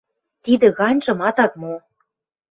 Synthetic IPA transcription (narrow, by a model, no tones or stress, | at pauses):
t̪id̪ə̆ɣɑnʲʒɤ̆mɑt̪ɑt̪mo